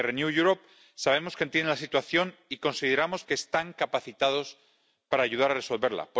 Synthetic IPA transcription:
renjuʝuɾo̞p̚ | saβ̞e̞mo̞skent̪jenelasit̪waθjo̞niko̞nsið̞e̞ɾamo̞ske̞ːst̪aŋkapaθit̪að̞o̞s | paɾaːʝuðaɾare̞so̞lβe̞ɾla̰p

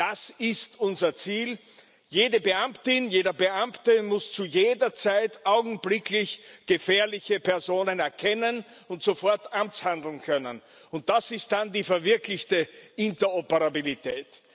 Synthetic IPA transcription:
d̥asɪstʊnzɐt͡siːl | jeːdəbəʔamtɪnjeːdɐbəamtəmʊst͡sujeːdɐt͡saɪtʔaʊɡŋ̩blɪklɪçɡ̥əfɛːɐlɪçəpʰɛɐzoːnənɛɐkʰɛnən | ʊntz̥ofɔɐtʔamt͡shãndl̩n̩kʰœnən | ʊnt̚d̥asɪst̚d̥andiːfɛɐvɪɐklɪçtəɪntɐɔpəʁabilitʰɛːt

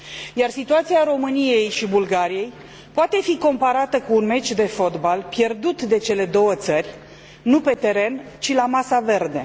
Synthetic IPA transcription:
jarsit̪uat̪siaɾo̞mɨnije̞jʃibulɡaɾije̞j | poat̪e̞fiko̞mpaɾat̪əkuːnme̞t͡ʃʲd̪e̞fo̞t̪balpje̞rd̪ut̪d̪e̞t͡ʃe̞le̞d̪o̞wət̪sərʲ | nupe̞t̪e̞ɾe̞nt͡ʃilamasave̞rd̪e̞

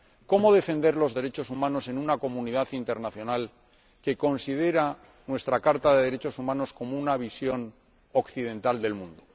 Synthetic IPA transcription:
ko̞mo̞ðe̞fe̞nd̪e̞ɾlo̞zðe̞ɾe̞t͡ʃo̞sumãno̞se̞nunako̞muniðaθint̪eɾnaθjo̞nal | ke̞ko̞nsiðe̞ɾa | nwe̞st̪ɾakaɾt̪aðe̞ðe̞ɾet͡ʃo̞sumãno̞sko̞mounaβ̞isjo̞n | o̞kθiðe̞nt̪ald̪e̞lmũnd̪o

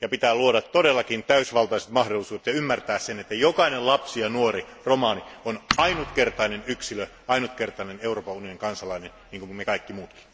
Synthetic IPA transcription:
jɑpit̪æːluodɑt̪todelːɑkint̪æysʋɑlt̪ɑiset̪mɑhdolˑisuːdet̪jɑymːært̪æːssenet̪ːæjokɑinellɑpsijɑnuoriromɑːnionɑinut̪kert̪ɑinenyksilø | ɑinut̪kert̪ɑineneuroːpɑunioniŋkɑnsɑlɑinenniːŋkummekɑikːimuːt̪ki̥n

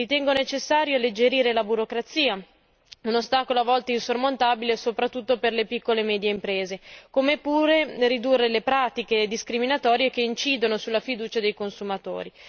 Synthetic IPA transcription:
it̪ɛŋɡonet͡ʃesːaːɾjoalːed͡ʒeɾiːɾelabuɾokɾat̪siːa | unost̪aːkoloavːɔlt̪ainsormont̪aːbilesopɾat̪ːut̪ːoperlepikːolemɛːd̪jeimpɾeːzekomepuːɾeɾid̪urːelepɾaːt̪iked̪iskɾiminat̪ɔːɾjekeint͡ʃiːd̪onosulːafid̪uːt͡ʃad̪ejkonsumat̪o̰ːɾi

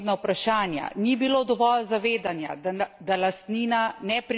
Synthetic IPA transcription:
d̪nawpɾaʃaːnja̰nibiloːd̪ɔʋɔlzaʋeːd̪anja̰d̪d̪alast̪niːnanɛpɾ

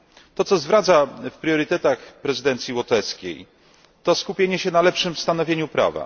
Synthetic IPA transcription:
t̪ɔt̪sɔzvɾat̪safpɾʲjɔɾɘt̪ɛt̪axpɾɛzɨɘd̪ɛnt̪sʲjiwɔt̪ɛskʲḛj | t̪ɔskupʲjeɲɛɕɛnalɛpʂɘmst̪anɔvʲjeɲupɾa̰va̰

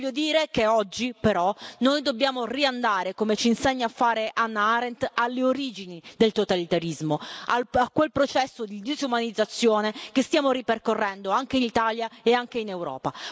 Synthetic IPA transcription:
vʎːod̪iːɾekeɔd͡ʒːipeɾɔnojd̪obːjaːmoriand̪aːɾekomet͡ʃiːnseɲːaːfːaːɾeʔanːaaɾent̪alːeoɾiːd͡ʒinid̪elt̪ot̪alit̪aɾizmoaakːwelpɾot͡ʃɛsːod̪id̪izumanid̪zat̪sːjoːnekest̪jaːmoɾiperkorːɛnd̪oaŋk̟einit̪aːljaeaŋk̟einewɾɔ̰ːpa

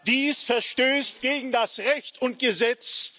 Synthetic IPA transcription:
d̥iːsfɛɐʃtøːstɡ̥eːɡŋ̩dasʁɛçtʊnt̚ɡ̥əzɛt͡s

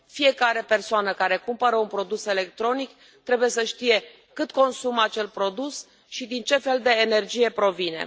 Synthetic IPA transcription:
fije̞kaɾe̞pe̞rsoanəkaɾe̞kumpəɾəunpɾo̞d̪use̞le̞k̚t̪ɾo̞nik | t̪ɾe̞buje̞səʃt̪ije̞ | kɨt̪ko̞nsumat͡ʃe̞lpɾo̞d̪us | ʃid̪int͡ʃe̞fe̞ld̪e̞ːne̞rd͡ʒije̞pɾo̞vine̞̰

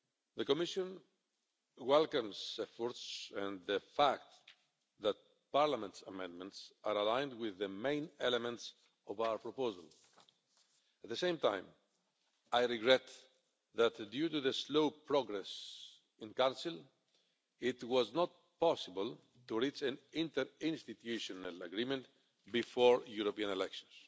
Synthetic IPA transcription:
ðəkɔmɪʃɔ̃n | wɛlkə̃mzɛfɔɹtsɛ̃nðəfæk̚t̪ | ðæt̪̚ | paɹlamɛ̃ntsamɛ̃ndmɛ̃ntsaɾalãj̃nd̪wɪðəmẽɪ̃nɛlɛmɛ̃nts | ɔvawə˞pɹɔpoza̰l | æt̪̚ðəsẽɪ̃mt̪ã̰j̃m | ajɹɪɡɹɛt̪ | ðæt̪djutuðəsloʊpɹɔɡɾɛs | ɪ̃nkãnsɪl | ɪt̪wɔznɔt̪̚ | pɔsɪbəl | t̪uɹit͡ʃæ̃nɪ̃nt̪əɾɪ̃nst̪it̪juʃɔnalaɡɹimɛ̃nt̪ | bifɔɹjuɾopiãnɛlɛkʃɔ̃ns

